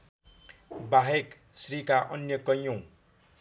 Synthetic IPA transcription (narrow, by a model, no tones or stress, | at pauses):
baɦek | srikaʔʌnjʌkʌjõ